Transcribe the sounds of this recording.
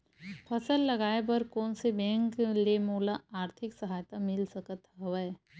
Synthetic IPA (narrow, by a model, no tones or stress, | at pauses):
pʰɐsəlːɐɡaːepɐɾkɔːnsebɛ̃ːŋklemoːlaaːɾt̪ʰɪksəɦaːjt̪amɪlsɐkət̪ɦɐʋə